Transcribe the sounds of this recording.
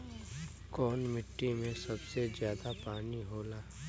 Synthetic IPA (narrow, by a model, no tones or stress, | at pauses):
kɔːnmɪʈːimẽsɐbsezjaːd̪apaːniɦoːlaː